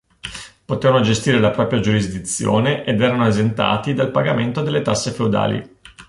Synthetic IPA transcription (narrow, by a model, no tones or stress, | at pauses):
pot̪eːvanod͡ʒest̪iːɾelapɾɔːpɾjad͡ʒuɾizd̪it̪sːjo̰ːneʔed̪ɛːɾanoezent̪a̰ːt̪id̪alpaɡament̪od̪elːet̪asːefeud̪a̰ːlḭ